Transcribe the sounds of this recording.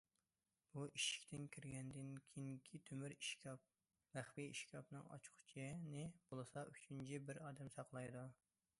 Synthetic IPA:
b̥uʔiʃi̥kʲt̪ʰɪnkʲʰiɾɡʲɛnd̪ɪnkʲʰiŋkʲʰit̪ʰømyɾiʃkʲɑp̚ | væχbiiʃkʲʰɑpnɨŋɑ̰t͡ʃʰqʊ̥t͡ʃʰinɪb̥olˠɨsɑyt͡ʃʰynt͡ʃʰibɪɾɑːd̪ɛmsɑqlˠɑjd̪u

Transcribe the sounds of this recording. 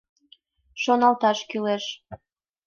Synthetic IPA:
ʃonɑlt̪ɑʃkyleʃ

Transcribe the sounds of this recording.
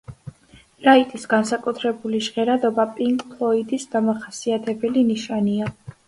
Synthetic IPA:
ɾait̪ʼisɡansakʼut̪ʰɾɛbuliʃʁɛɾad̪ɔbapʼiŋkʼpʰlˠɔid̪isd̪amaχasiat̪ʰɛbɛliniʃania

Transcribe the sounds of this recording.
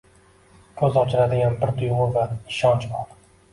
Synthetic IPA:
kʲʰɵzɒt͡ʃʰɪɾad̪ɪɡʲanbɪɾd̪ʰʊjʁʊɾvaɪʃɒnt͡ʃbɒɾ

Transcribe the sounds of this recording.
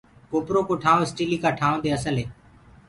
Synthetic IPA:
koːpɾoːkoːʈʰãːõɪsʈiːliːkaːʈʰaːʋõd̪eːəsəlɦeː

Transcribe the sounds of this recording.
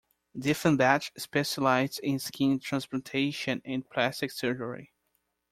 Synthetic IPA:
dɪfə̃ndæt͡ʃspɛʃalaɪzɪ̃nskʰĩntʰɹæ̃nsplətʰeɪʃɨ̃nɨ̃npʰlæstɪksɛɹd͡ʒəɹḭ

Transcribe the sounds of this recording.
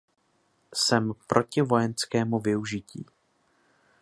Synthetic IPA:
sɛmpɾʔo̞cɪvo̞jɛnskɛːmuvɪuʒɪcḭː

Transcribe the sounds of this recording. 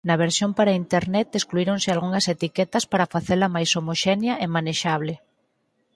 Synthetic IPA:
nɐβeɾsjompaɾaint̪eɾnɛt̪eskluiɾoŋsɪalɣuŋɐset̪ikɛt̪ɐspaɾɐfaθeɾlɐmajsomoʃɛnjɐʔemaneʃaβ̞lɪ

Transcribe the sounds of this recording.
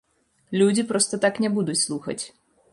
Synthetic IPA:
lʲud͡zʲipɾɔst̪ɐt̪aknʲɛbud̪ut͡sʲslˠuxɐ̰t͡sʲ

